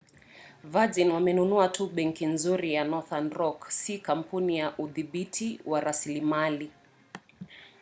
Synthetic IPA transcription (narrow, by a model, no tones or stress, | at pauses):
vazinwamɛnunuatʰuɓɛŋkinzuɾijanɔθanɾɔksikam̩punijaʔuðiɓitʰiwaɾasilimali